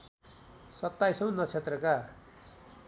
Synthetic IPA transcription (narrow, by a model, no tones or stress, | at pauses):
sʌt̪ːajsʌ̃w̃nʌt͡sʰet̪rʌka